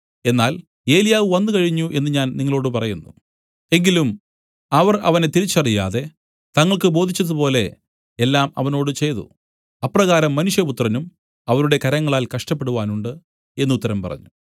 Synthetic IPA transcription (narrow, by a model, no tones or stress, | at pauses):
e̞nːaːl | e̞ːlijaːʋɨʋɐnːɨkɐɻiɲːuʔe̞nːɨɲaːnniŋːɐɭo̞ːɽɨpɐrɐjunːu | e̞ŋɡilum | ɐʋɐrɐ̰ʋɐnet̪iɾit͡ɕːɐrija̰ːðe̞ | t̪ɐŋːɐɭkɨbo̞ːd̪ʱit͡ɕːɐðɨpo̞ːle̞ | elːaːmɐ̰ʋɐno̞ːɽɨt͡ɕe̞jðṵ | ɐprɐɣaːɾɐmːɐnuʂjɐput̪rɐnum | ɐʋɐɾuɽe̞kɐɾɐŋːɐɭaːlkɐʂʈɐp̬ːeɽuʋaːnuɳɖɨ | e̞nːut̪ːɐɾɐmpɐ̰rɐ̰ɲːu